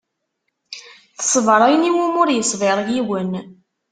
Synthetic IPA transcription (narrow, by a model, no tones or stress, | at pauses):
θə̥sˤːvəɾˤæjniwumʊɾjəsˤvɪɾˤʝiwən